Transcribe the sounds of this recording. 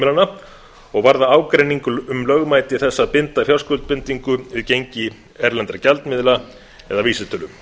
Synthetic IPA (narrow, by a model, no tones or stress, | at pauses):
ɪlana | ɔɣvaɾðaaːwkɾejniŋkʏʏmlœɣmaːjt̪ɪθɛsːaðpɪnt̪afjalskʏlt̪̚pɪnt̪iŋkʏvɪðcejɲcɪ | ɛɾlɛnt̪ɾacalt̪mɪðla | ɛðaviːsɪt̪ʰœlʏm